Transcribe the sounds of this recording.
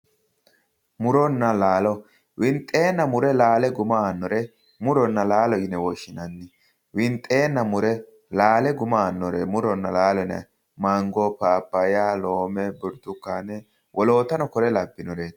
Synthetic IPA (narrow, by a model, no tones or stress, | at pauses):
mʊɾɔnːɐlaːlɔ | wʔɪnt̪ʼːe̞ːnːɐmʊɾɛlaːlɛɡʊmaːnːɔɾɛ | mʊɾɔnːɐlaːlɔɪnɛwɔʃːɪnɐnːɪ | wɪnt̪ʼːe̞ːnːɐmʊɾɛ | laːlɛɡʊmaːnːɔɾɛmʊɾɔnːɐlaːlɛnɐ̰ | mɐŋɡɔpaːpːɐjaloːmɛbʊɾd̪ʊkːaːnɛ | wʔɔlo̞ːt̪ɐnɔkɔɾɛlɐbːɪnɔɾeːt̪